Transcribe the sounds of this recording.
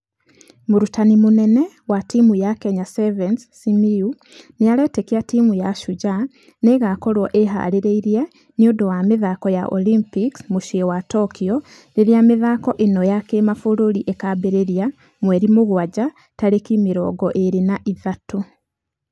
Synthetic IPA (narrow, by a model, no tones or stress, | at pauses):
muɾutanimune̞ne̞ | watimujakeɲasevenssimiu | nijaleːtekiatiːmujaʃuɟa | neɣakolwoʔeɦa̰liɾeiɾije | niodowamiðakoja̰ʔo̰limpiksmuʃiewato̞kio | niɾjamiðaːko̞ʔenojakemafuluɾiʔekabeɾeɾja | mweːɾimuɣwaɟa | talekimiɾo̰ːɡoʔeɾinaʔiðatu